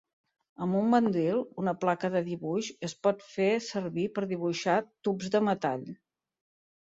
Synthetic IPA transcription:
əmbumbənd̪ilˠunəplakəðəðiβuʃəspɔt̪fesəɾβipəɾðiβ̞uʃat̪ubzðəmət̪a̰ʎ

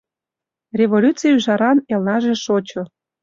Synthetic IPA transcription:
rʲeβolʲut͡sijyʒɑɾɑnelnɑʒĕʃot͡ɕŏ

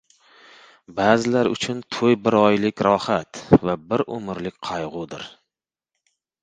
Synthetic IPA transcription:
baːzɪlaɾʊ̰t͡ʃʰʊnt̪ʰojbɪɾɒjlɪkʲɾɒhat̪vabɪɾʔʊmɪɾlɪk̚ʲqʰɑjʁʊd̪ɪ̰ɾ

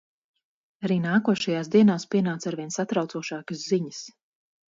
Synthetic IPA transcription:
aɾiːnaːkuɔʃajaːsd̪iɛnaːspiɛnaːt̪saɾviɛnsat̪ɾawt̪uɔʃaːkəsziɲəs

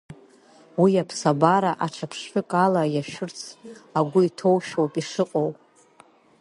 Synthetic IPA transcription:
wiapʰsabaɾaʔaʈ͡ʂʰapʰʂħʊkʼalajaʃᶣʊrt͡sʰaɡʷʊitʰo̞wʃᶣowpʼiʂɨqʼowpʼ

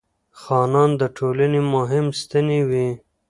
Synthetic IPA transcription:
xɑːnɑnd̪əʈʰolanemʊɦɪmst̪əniwi

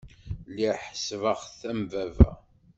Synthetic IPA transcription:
liħə̥svəʁθæmvævæ̰

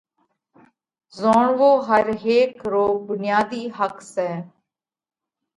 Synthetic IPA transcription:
zoːɳʋoːɦəɾɦeːkɾoːɡ̚bʊnɪjaːd̪iːɦəksɛː

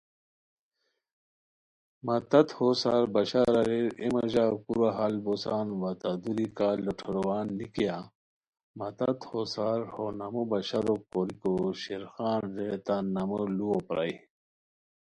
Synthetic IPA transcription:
mɐt̪ɐt̪hosaːɾbɐɕaɾɐɾeɾemɐʑakuɾaɦalbosaːnwɐt̪ad̪uɾikaːloʈʰoɾowaːnːikija | mɐt̪ɐt̪hosaːɾhonɐmobɐɕaɾokoɾikoɕeɾxaːnzet̪anɐməluopɾa̰i

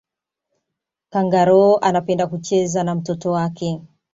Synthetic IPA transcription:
kaŋɡaɾɔːʔanapɛndakut͡ʃɛzanam̩tɔtɔwakɛ

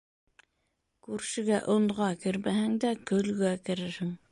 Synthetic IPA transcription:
kʉɾʃɘ̆ɡæʔŏnʁɑkɘ̆ɾmæhɘŋd̪ækɵ̆lɡækɘ̆ɾɘɾhɘŋ

